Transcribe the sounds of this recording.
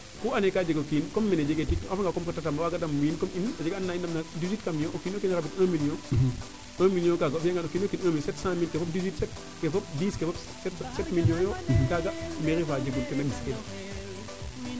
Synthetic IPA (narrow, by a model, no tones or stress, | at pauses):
kuːanɛkaːd͡ʒeɡokiːnkɔmːɛned͡ʒeɡetikafaŋɡakɔmkatatamawaɡadɐmwinkɔminad͡ʒeɡanːaindɐmnadizwitkamjoʔokiːnokinɾabitɐ̃ːmiljõ | ãmiljõkaɡasɛŋɡanokiːnokinãːmisɛtsãmilkɛfɔp̚dizwitsɛt̚ | kefɔp̚diːskɛfɔp | sɛtsɛtmiljɔ̃njodaɡameɾifaːd͡ʒeɡuntɛnɐmisken